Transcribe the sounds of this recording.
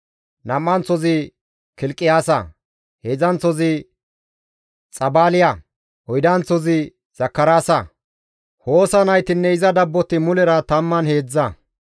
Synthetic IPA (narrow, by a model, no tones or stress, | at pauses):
nɐmːɐnt͡sɔzɪ | kɪlkʼːɪjaːsɐ̰ | hezɐnt͡sɔzɪ | t͡sʼɐbaːlɪjɐ | ɔjd̪ɐnt͡sːɔzɪ | z̥ɐkːɐɾaːsɐ | ho̞ːsɐnɐjt̪ɪnːɛɪzɐd̪ɐbːɔt̪ːɪmʊlɛɾɐt̪ɐmːɐnhe̞ːd͡zːɐ